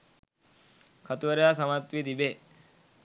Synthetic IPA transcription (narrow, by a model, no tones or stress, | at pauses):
kʰət̪ʋəɾjasəmat̪ʋid̪ibe